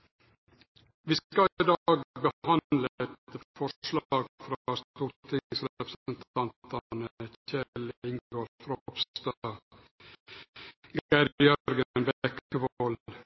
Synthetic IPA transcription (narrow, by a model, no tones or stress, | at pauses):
ʋiːskɑɪd̪ɑːɡbəhɑnd̪ləɛt̪fɔʂlɑːɡfɾɑst̪uɾt̪ʰɪsɾɛpɾəsənt̪ʰɑnt̪ɑnəçɛlɪŋɡoɾfɾopst̪ɑ | ɡæɾjœɾɡənbkəʋol